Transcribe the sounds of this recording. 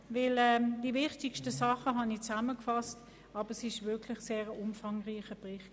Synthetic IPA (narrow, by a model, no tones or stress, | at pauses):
vɪlɛːd̥ivɪχtɪkʃtəsɑχəɦɑnit͡saməkfɑst | ɑːbəʁsɪʃvɪɐkʰlɪχseːʁəʔʊmfɑŋʁiːχəb̥ʁɪχt